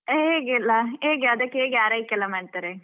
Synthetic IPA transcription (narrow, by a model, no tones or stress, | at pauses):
ɦeːɡɛlːaɦeːɡeɐd̪ɐkːeeːɡjaːɾaːjikɛlːɐmaːɖ̚t̪aːɾe